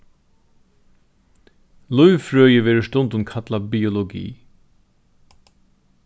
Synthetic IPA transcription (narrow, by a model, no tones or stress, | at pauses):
lʊjʋfɹøːjəʋɛːɾʊʂt̪ʊnt̪ʊnkʰat̪labiɔlɔɡḭː